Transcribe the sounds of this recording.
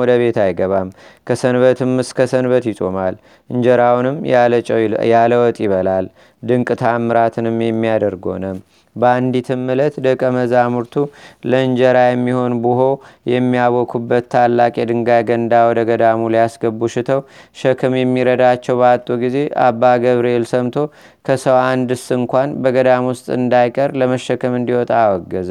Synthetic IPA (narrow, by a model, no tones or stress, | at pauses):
ɔd̪əβe̞t̪ʰajɡəβamkʰəsənβət̪ʰɨmɨskʰəsənbət̪jɪt͡ʃʼo̰mal | ʔɨnd͡ʒəɾawnɨmt͡ʃʼjaləwɔt̪ʼjɪβəlal | d̪ɨŋkʼɨt̪ʰamːɨɾat̪ʰɨnɨmjɛmːijad̪əɾɡo̞̰nəm | bəand̪it̪ʰɨmːɨlət̪d̪ɨkʼːəməzamuɾt̪ʰuləɨɲd͡ʒəɾajɛmːiho̞nbɨɦo̞jɛmːijaβɔkʰubːət̪ːʰalːakʼjɛd̪ɨŋɡajɡənd̪awɔd̪əɡəd̪amulijasɡəbːuʃɪt̪ʰəwʃəkʰɨmjɛmːiɾəd̪at͡ʃːɛwbəat̪ʼːuɡize̞ʔa̰bːaɡəβɾelsəmt̪ʰo̞ | kʰəsəwand̪ɨsɨŋkʷanbəɡəd̪amwʊst̪ʼɨnd̪ajkʼəɾləməʃːəkʰɨmɨnd̪iwɔt̪ʼawɔɡːɨz